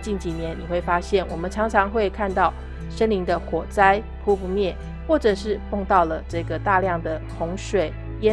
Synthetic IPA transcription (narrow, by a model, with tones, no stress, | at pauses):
t͡ɕi˥˩nt͡ɕi˨˩njɛ˧˦nni˨˩xwe˥˩ɪfa˥ɕjɛ˥˩nwɔ˨˩mə˦nʈ͡ʂʰɑ˧˥ŋʈ͡ʂʰɑ˧˥ŋxwe˥˧ɪkʰa˥˧nt̪ɑ˥˩˨ʊ | ʂə˥nli˧˥ŋd̪ə˧xwɔ˨˩t͡sa˥ɪ | pʰu˥pu˧mjɛ˥˩ | xwɔ˥˩ʈ͡ʂɤ˨˩ʂɻ̩˥˧fo˥˧ŋt̪ɑ˥˩ʊlə˩ʈ͡ʂɤ˥˩ɡə˩t̪a˥˧ljɑ˥˩ŋd̪ə˩xʊ˧˥ŋʂwe˨˩˦ɪ | jɛ˥˦